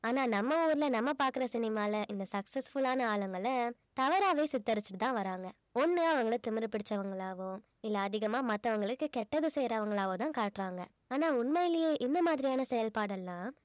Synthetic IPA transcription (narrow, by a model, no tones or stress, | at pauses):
aːnaːnɐmːɐuːɾɪlɐnɐmːɐpaːɾkɯɾɐsɪnɪmaːlɐʔɪnd̪ɐsɐksɐsfʊɭaːnɐaːɭɐŋɡɐɭɐt̪ɐʋɐɾaːʋeːsɪt̪ːɐɾɯt͡ʃːɯʈɯt̪ãːʋɐɾaːŋɡɐ | ɔnːɯɐʋɐŋɡɐɭɐt̪ʊmɪɾɯpɪɽɪt͡ʃːɐʋɐŋɡɐɭaːʋõ | ɪlːɐːðɪɣɐmaːmɐt̪ːɐʋɐŋɡɐɭɯkːɯkɛʈːɐðɯsɛjɾɐʋɐŋɡɐɭaːʋõt̪ãːkaːʈɾaːŋɡɐ | aːnaːʊnmɐjɪlɪjeːʔɪnd̪ɐmaːðɪɾɪjaːnɐsɛjɐlpaːɽɐlːãː